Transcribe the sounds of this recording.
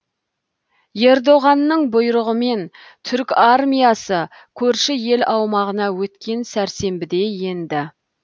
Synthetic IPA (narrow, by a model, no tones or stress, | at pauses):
je̞ɾd̪o̞ʁɑnːəɴbʊjɾəʁəme̞n | t̪ʰʏɾkʲaɾmijɑsə | kʲʰɵɾʃɪje̞lɑwmɑʁənɑwɵt̪kʲʰe̞nsæɾse̞mbɪd̪e̞je̞nd̪ɪ